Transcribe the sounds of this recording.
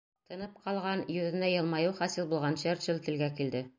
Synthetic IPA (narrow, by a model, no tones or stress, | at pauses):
t̪ɤ̆nɤp̚qʰɑlˠʁɑnjɵ̆ðɘ̆næjɤ̆lˠmɑjɤwχɒsilbulˠʁɑnɕæɾʃɘlt̪ɘ̆lɡækild̪ɘ